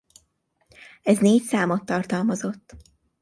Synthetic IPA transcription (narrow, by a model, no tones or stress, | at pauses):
ɛzneːcsaːmo̞t̪ːɒrt̪ɒlmɒzo̞t̪ː